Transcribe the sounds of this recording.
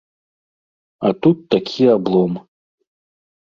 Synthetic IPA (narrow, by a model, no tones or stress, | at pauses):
at̪ut̪ːakʲʰiablˠɔm